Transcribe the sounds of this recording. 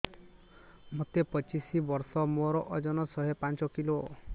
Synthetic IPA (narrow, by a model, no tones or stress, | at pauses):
mot̪epɔt͡ʃisibɔɾsɔmoɾɔʔɔd͡ʒɔnɔsɔɦepant͡ʃɔkilo